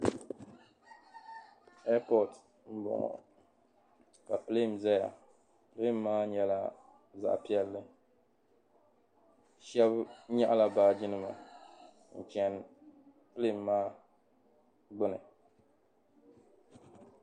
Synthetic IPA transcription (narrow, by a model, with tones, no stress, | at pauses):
ɛ˦pɔ˨t | m̩˦bʊ̰˨ŋɔ̰˨ | ka˨ple˦˨m˨zɛ˦ja̰˨ | ple˦˨mːaː˦ɲɛ˨la˦ | za̰˦ʔpi˦ɛ˦lːɨ˦ | ʃɛ˦bɲa˦ʔla˦baː˨d͡ʒi˦nɨ˦ma̰˨ | n̩˨t͡ʃɛ˨n | ple˦˨mːaː˦ | ɡ͡bʊ˦nɨ̰˨